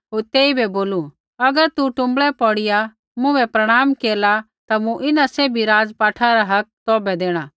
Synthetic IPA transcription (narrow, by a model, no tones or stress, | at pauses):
ɦoːɾt̪eːibʱɛboːlu | ɐɡəɾt̪uʈʊ̃mbɭɛpɔːɽɪja | mʊ̃ʋɛpɾɐɽ̃aːmkeːla | t̪amũʔɪnaseːbʱiɾaːd͡zpaːʈʰaɾaɦɐk̚t̪ɔːbɛd̪eːɽ̃aː